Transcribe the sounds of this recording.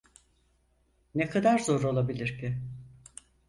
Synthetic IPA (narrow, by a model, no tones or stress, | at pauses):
nekʰad̪aɾzo̞ɾolˠabilʲiɾcʰi